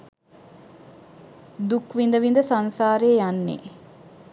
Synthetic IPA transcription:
d̪ukʋind̪əʋind̪əsansaːɾeːjanːḛː

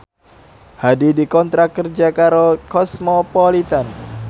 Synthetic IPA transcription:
hadidikɔnt̪ɾakərd͡ʒakaɾokɔsmɔpolit̪an

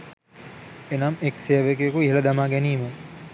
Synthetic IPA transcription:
enamekseəʋekejekuiɦelɐd̪amaːɡɛniːmə

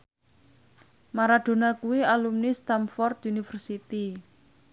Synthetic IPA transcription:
maɾad̪̥o̤nakuwialumnist̪amfɔrt̪unifərsit̪i

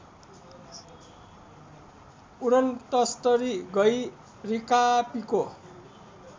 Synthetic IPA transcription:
uɾʌnt̪ʌst̪ʌɾiɡʌj | rikapiko

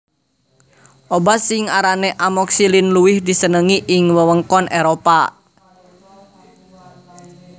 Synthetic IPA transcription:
ʔobasɪŋaɾanɛʔamɔksilinluwɪhdisənəŋiʔɪŋwəwəŋkɔnʔeɾopa

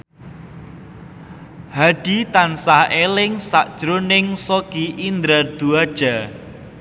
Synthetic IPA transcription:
haɖ̥it̪ansahelɪŋsaʔd̥ʒ̥ɾʊnɪŋsoɡ̥iʔind̪ɾard̪̥uad̥ʒ̥a

